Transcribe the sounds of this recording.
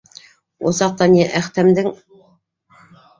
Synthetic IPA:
wosɑq̚t̪ɑnʲeʔæχt̪æmd̪ɪŋ

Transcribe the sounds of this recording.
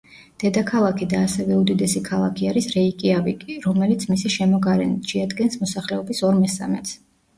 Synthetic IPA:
d̪̥ɛd̪akʰalˠakʰid̪aːsɛvɛud̪id̪ɛsikʰalˠa̰kʰiaɾisɾɛikʼiavikʼiɾɔmɛlit̪sʰmisiʃɛmɔɡaɾɛ̰nit̪ʃɛad̪ɡɛnsmɔsaχlɛɔbisɔɾmɛsa̰mɛt̪ʰs

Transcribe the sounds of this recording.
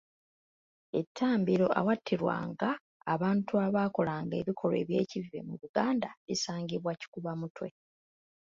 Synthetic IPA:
e̞tʰːaːmbiɾo̞ʔa̰watʰːiɾwa̰ŋɡaː | βaːntuaβaːko̞laŋɡe̞̰βikʰo̞lwe̞̰ːβje̞ːcive̞̰muβuɡaːndaisaːŋɡiβwaci̥kuβamutwe̞

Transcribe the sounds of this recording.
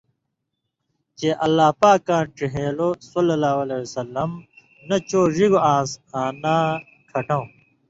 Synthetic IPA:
t͡ɕeːʔɐlːaːpaːkːãːʈ͡ʂiɦeːlosɐlːɐlaːwɐleːsɐlːɐm | nɐt͡ɕoːʐiɡoãːsaːnaː | kʰɐʈãw̃

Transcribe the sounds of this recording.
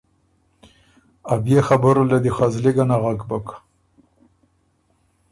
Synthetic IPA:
abjexabəɾlad̪ixazliɡanaɣaɡbak

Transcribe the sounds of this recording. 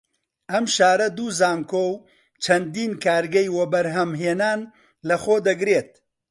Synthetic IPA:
ɐmʃaːɾɐd̪uːzaːŋkow | t͡ʃʰɐnd̪iːnkaːɾɡɐjwɐbɐɾɦɐmɦeːnaːn | lɐxoːd̪ɐɡɾeːt̪̚

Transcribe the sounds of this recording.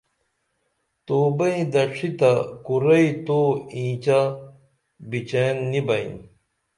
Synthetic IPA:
t̪oːbɐĩd̪ɐʂit̪akuɾɐit̪oːĩːt͡ɕa | bit͡ɕenːibɐḭ̃n

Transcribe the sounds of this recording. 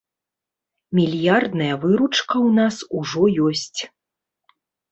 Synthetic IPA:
mʲilʲjard̪nɐjɐvɨɾut͡ʂkɐwnasuʐɔjɔsʲt͡sʲ

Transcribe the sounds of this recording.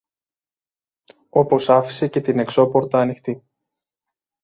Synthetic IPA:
o̞po̞sɐfi̥se̞ce̞t̪ine̞kso̞po̞ɾt̪ɐːnixt̪i

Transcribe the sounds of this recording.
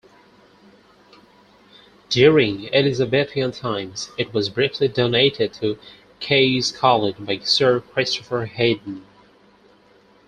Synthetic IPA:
d̥ʊɹɪ̃ŋɛlɪzɨbɛɾiɨ̃ntʰãɪ̃mz̥ɨt̚wʌzbɹɪftlidõʊneɪɾɪd̚tʰɨ | kʰeɪz̥kʰɑlˠɪd͡ʒbaɪsɜ˞kʰɹ̥ɪstəfə˞heɪdⁿn̩

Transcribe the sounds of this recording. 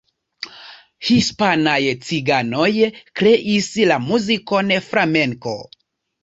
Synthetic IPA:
hispanajt͡siɡano̞jkɾe̞ʔislamuziko̞nefɾame̞ŋko̞̰

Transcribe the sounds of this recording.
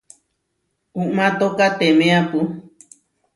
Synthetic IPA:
uʔmãt̪okat̪emẽapɨ

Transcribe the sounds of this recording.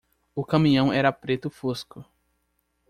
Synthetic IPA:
ʊkɐ̃mĩɲɐ̃w̃ɛɾɐpɾet̪ʊfoskʊ

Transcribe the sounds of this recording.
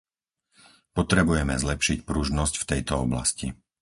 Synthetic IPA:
pɔt̪ɾɛbujɛmɛ̰zlɛpʃicpɾuʒnɔscft̪ɛjt̪ɔɔbla̰sci

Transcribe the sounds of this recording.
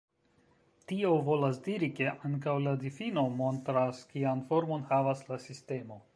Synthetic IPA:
tio̞vo̞lasdiɾike̞ʔaŋkawladifino̞mo̞ntɾaskianfo̞ɾmo̞nhavaslasiste̞mo̞

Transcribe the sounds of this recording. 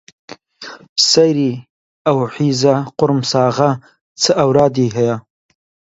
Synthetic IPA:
sajɾi | awħizaqʊɾmsɑːɣa | t͡səawɾɑːd̪iɦaja

